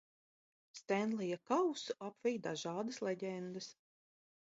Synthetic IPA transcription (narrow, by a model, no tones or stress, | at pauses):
st̪ɛnlˠijakawsuʔapvʲɛjd̪aʒɑːd̪əslɛɟʲɛnd̪ɨs